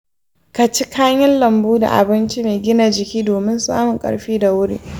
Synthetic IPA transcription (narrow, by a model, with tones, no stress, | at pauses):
ka˨t͡ʃɪ˦kaː˦ɲɪ˦nlɐ˨mbuː˦da̰˨ʔa̰˨bɪ˦nt͡ʃi˦meː˨ɡʲɪ˦na˨d͡ʒɪ˨kʲiː˦doː˨mɪ˦nsa̰ː˦mʊ˨ŋkʼɐ̰˨ɽɸiː˦da˨wʊ˦ɾḭː˦